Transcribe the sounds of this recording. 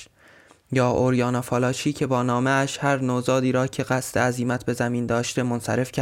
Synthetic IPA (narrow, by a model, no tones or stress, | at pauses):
jɒːʔoɾjɒːnɒːfɒːlɒːt͡ʃʰiːcʰe̞bɒːnɒːmeæʃhæɾnozɒːd̪iːɾɒːcʰe̞ɢæst̪ʰeæziːmæt̪ʰbe̞zæmiːnd̪ɒːʃt̪e̞monsæ̰ɾe̞fcʰæ